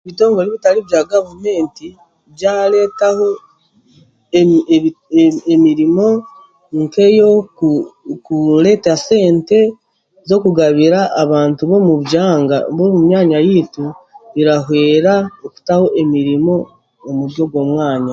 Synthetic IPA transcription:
βito̞ːŋɡo̞liβitaliβjaːɡavme̞ːnti | βjaːle̞ːtaho̞ | emiɾimo̞ | ŋke̞jo̞ | kuɾe̞ːtase̞ːnte̞ | zo̞kuɡaβiɾaʔːβaːntuβo̞muβjaːŋɡaβomumjaːɲajituβiɾaɦwe̞ːɾaoku̥taho̞ʔe̞miɾimo̞ː | muɾjo̞ɡwo̞ːmwaːɲa

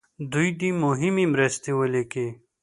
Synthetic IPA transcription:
d̪uid̪imoɦimimɾɐst̪iwoleke

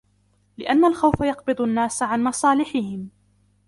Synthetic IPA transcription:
lɪʔanːalxawfajɑqbɨd̪ˤanːaːsʕanmɑsˤɑːlɪħɪhɪm

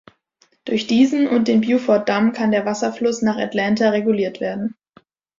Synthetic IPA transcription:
d̥ʊɐçd̥iːzn̩ʊnt̚d̥eːnbjuːfɔɐt̚d̥amkʰandeːɐvasɐflʊsnaːχa̰tlɛntaʁeɡuliːɐtv̥eːɐdn̩

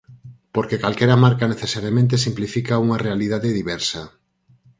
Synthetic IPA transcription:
poɾkekalkɛɾamaɾkaneθesaɾjamẽnt̪̬esimplifikauŋarealið̞aðeðiβɛɾsɐ

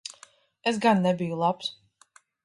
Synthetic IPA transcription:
esɡanːɛbijulˠaps

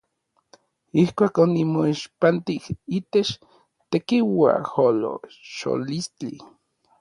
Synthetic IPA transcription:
ihkʷaːkonimoiʃpant̪ihiːt̪et͡ʃ | t̪ekiwa̰holo̰ʃo̰list͡ɬi

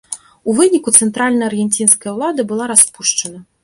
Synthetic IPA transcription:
uvɨnʲikut̪sɛnt̪ɾalʲnɐɐrɣʲɛnʲt͡sʲinskɐjɐwlˠad̪ɐbɨlˠaɾaspuʂt͡ʂɐnɐ

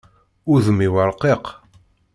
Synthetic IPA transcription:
ʊðəmiwəɾˤqeq

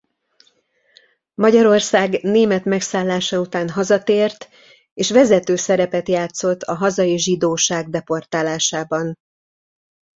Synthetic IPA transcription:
mɒɟɒɾo̞rsaːɡneːmɛt̪mɛksaːlːaːʃɒut̪aːnɦɒzɒt̪eːrt̪ | eːʃʋɛzɛt̪øːsɛɾɛpɛt̪jaːt̪so̞t̪ʰɒɦɒzɒjiʒid̪oːʃaːɡ̚d̪ɛpo̞rt̪aːlaːʃaːbɒn

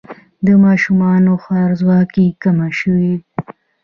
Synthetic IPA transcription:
d̪əmɑʃumɑnoxɑɾzwɑkikamaʃəwi

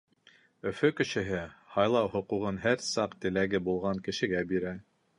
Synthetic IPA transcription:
ɵ̆fɵkɘ̆ʃɘ̆ɦɘhɑjlˠɑwɦŏquʁɤnɦæɾsɑqt̪ɘ̆læɡɘbulˠʁɑŋkɘ̆ʃɘ̆ɡæbiɾæ

